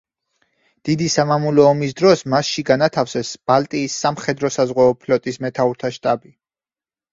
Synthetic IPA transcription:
d̪̥id̪isamamulɔːmis̬d̪ɾɔsmasʃiɡanat̪ʰafsɛsb̥alt̪ʼiːsːamχɛd̪ɾɔsazʁwɛɔpʰlɔt̪ʼismɛt̪ʰauɾt̪ʰaʃt̪ʼabi

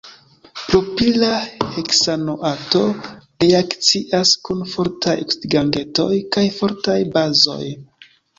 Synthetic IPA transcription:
pɾo̞pilaheksanoʔato̞ɾeakt͡siʔaskunfo̞ɾtajkiɡaŋɡe̞to̞̰jkajfo̞ɾtajbazo̞̰j

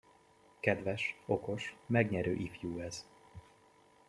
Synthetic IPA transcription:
kɛd̪vɛʃo̞ko̞ʃmɛɡɲɛɾø̰ːʔifjuːɛz̥

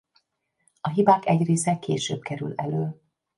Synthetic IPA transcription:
ɒɦibaːkɛɟreːsɛkʰḛːʃø̰ːb̚kɛɾylɛløː

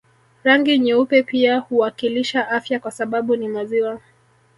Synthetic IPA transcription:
ɾaŋɡiɲɛupɛpiahuwakiliʃaʔafjakwasaɓaɓunimaziwa

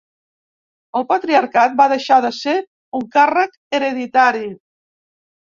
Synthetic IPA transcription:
əlˠpət̪ɾiaɾkat̪̚baðəʃaðəse | uŋkarək | əɾəðit̪aɾi

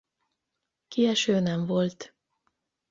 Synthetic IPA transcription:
kiɛʃøːnɛɱvo̞lt̪

